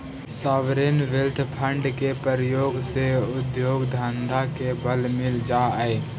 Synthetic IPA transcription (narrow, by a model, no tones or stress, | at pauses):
saːʋɾenʋɪlt̪ʰpʰə̃ɳɖkepɾəɾəjoːɡseʊd̪joːɡd̪ʱand̪ʱakebəlmɪld͡ʒaəe